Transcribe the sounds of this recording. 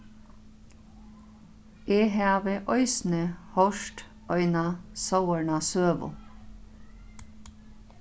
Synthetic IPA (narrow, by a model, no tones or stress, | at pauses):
eːɦæːʋeʔœʏsn̩əhɔʃʈ | œʏnɑsɑwəɳɑsøːʋʊ̰